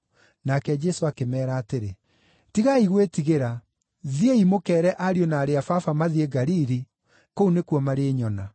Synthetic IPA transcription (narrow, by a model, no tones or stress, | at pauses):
nakɛd͡ʑɛsoakemɛːɾaːteɾe | tiɣaiɣwetiɣeɾa | ðieimokɛːɾɛʔaɾionaːɾeafafamaðieɡaɾiɾi | kounekuwɔmaɾeɲɔna